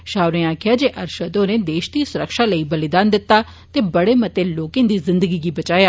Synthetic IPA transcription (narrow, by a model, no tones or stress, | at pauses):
ʃaːʊɾẽːaːkʰɪjaːd͡ʒeːʔəɾʃəd̪oːnẽːd̪eːʃd̪iːsʊɾəkʃaːləiːbəlɪd̪aːnd̪ɪt̪ːaː | t̪eːbəɽeːmət̪eːloːkẽːd̪iːzɪ̃nd̪əɡiːɡiːbət͡ʃaːjaː